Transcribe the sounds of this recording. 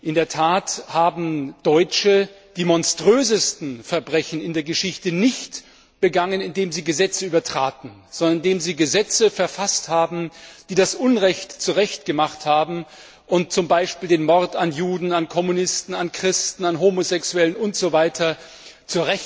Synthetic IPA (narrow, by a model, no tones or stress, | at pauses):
ʔɪndeːɐtʰaːthaːbm̩d̥ɔʏt͡ʃə | d̥iːmɔnstʁ̥øːzəstn̩fɛɐbʁɛçn̩ɪndeːɐɡəʃɪçtənɪçt | b̥əɡaŋənɪndeːmziːɡəzɛt͡səyːbɐtʁ̥aːtn̩z̥ɔndɐnndeːmziːɡəzɛt͡səfɛɐfasthaːbm̩d̥iːdasʔʊnʁɛçtt͡suʁɛçtɡ̥əmaχthaːbm̩ | ʔʊnt̚t͡sʊmbaɪʃpiːldeːnmɔɐtanjuːdn̩ankʰɔmunɪstn̩ankʁ̥ɪstn̩anɦoːmozɛksuɛlənʊntz̥ovaɪtʰɐ | t͡suːɐʁɛç